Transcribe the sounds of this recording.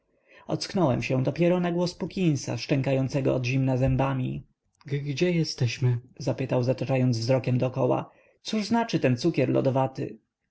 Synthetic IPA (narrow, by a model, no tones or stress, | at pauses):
ɔ̰t̪sknɔwɛmɕɛ̃d̪ɔpʲjɛɾɔnaɡwɔspukʲĩñsa̰ʂt͡ʂɛŋkajɔnt̪sɛɡɔ̰ɔd̪ʑimnazɛmbamʲi | ɡɡd͡ʑɛjɛst̪ɛɕmɘzapɘt̪awzat̪at͡ʂajɔnd̪zvzɾɔkʲɛmd̪ɔkɔwa̰ | t̪suʐznat͡ʂɘt̪ɛnt̪sukʲɛɾlɔ̰d̪ɔvat̪ɪ̰